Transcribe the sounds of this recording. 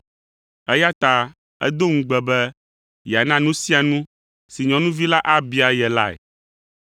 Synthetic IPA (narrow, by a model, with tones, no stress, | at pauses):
ɛ˦ja˦t̪a˦ | ɛ̰˦d̪o˦ŋũ˨ɡ͡bɛ˨bɛ˦ | jɛ˨a˨nã˦nũ˦si˦a˨nũ˦ | si˨ɲɔ̃˨nũ˦vi˦la˦ʔa˦bi˦a˨jɛ˨la˦ɛ̰˨